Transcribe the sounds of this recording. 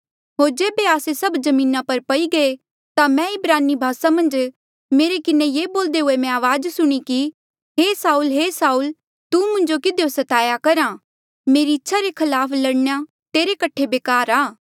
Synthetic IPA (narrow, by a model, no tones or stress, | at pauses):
ɦoːɾd͡ʒeːbeaːsesɐbd͡ʒɐmĩːnapɐɾpɐiɡɐe | t̪amɛ̃ɪbɾaːnːibʱaːsamɐ̃nd͡ʒ | meːɾekɪnejeːboːld̪eɦʊemɛ̃aːʋaːd͡ʒsʊɽ̃iki | ɦeːsaːulɦeːsaːul | t̪umʊ̃nd͡ʒokɪd̪ejosɐt̪aːjakɐɾã | meːɾiɪtːʃʰaɾekʰɐlaːpʰlɐɽɳja | t̪eːɾekɐʈʰebeːkaːɾaː